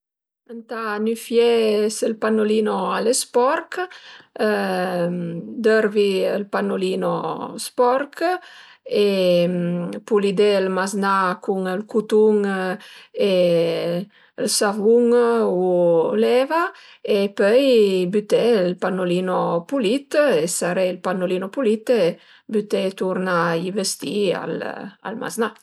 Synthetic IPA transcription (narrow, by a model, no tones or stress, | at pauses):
ant̪anyfjesəlpanolinoalespɔɾk | d̪øɾviəlpanolinospɔɾk | e | pulid̪elmaznakuŋəlkut̪uŋ | e | əlsavuŋulɛva | epœjbyt̪elpanːolinopulit̪esaɾelpanolinopulit̪e | byt̪et̪uɾnaivəst̪ia̰la̰lma̰zna